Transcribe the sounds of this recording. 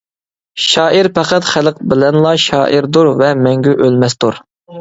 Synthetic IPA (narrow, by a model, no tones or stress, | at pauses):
ʃɑːiɾpɛqɑt̪χæləq̚bɪlɛnlˠɑʃɑ̰ːʔiɾd̪uɾvɛmɛŋɡʲyʔølmɛst̪uɾ